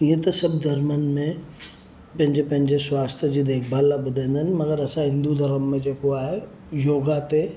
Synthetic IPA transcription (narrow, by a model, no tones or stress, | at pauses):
jet̪ɐsɐbd̪ʱɐɾmənmẽ | pɐ̃ɦɪ̃ɲd͡ʑepɐ̃ɦɪɲd͡ʑeswaːst̪ʰjəd͡ʑid̪eːkʰbaːlːabʊd̪ʱẽːnd̪ʱənɪ̆mɐɡəɾɐsãɦɪ̃nd̪ud̪ʱɐɾəmːẽd͡ʒeːkoaːɦe | joːɡat̪e